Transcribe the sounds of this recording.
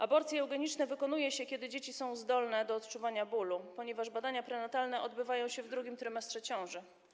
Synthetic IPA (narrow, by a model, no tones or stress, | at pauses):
abɔɾt̪sʲjɛɛwɡɛɲit͡ʂnɛvɘkɔnujɛɕɛkʲɛd̪ɘd͡ʑet͡ɕisɔ̃w̃zd̪ɔlnɛd̪ɔːt̪t͡ʂuvaɲabulupɔɲɛvaʐbad̪aɲapɾɛnat̪alnɛʔɔd̪̚bɘvajɔ̃w̃ɕɛvd̪ɾuɡʲimt̪ɾɘmɛst̪ʂɛt͡ɕɔ̃w̃ʐɘ